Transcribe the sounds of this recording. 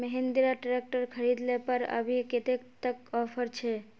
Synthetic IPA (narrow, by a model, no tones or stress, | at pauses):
məɦend̪iɾaʈɾek̚ʈəɾkʰəɾid̪lepəɾə̰bʱiket̪ekt̪əkɔpʰəɾt͡ʃʰe